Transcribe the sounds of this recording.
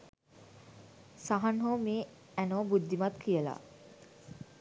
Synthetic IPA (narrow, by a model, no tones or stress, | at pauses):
saɦanɦomeː | ænobud̪ːimat̪kʰijəla̰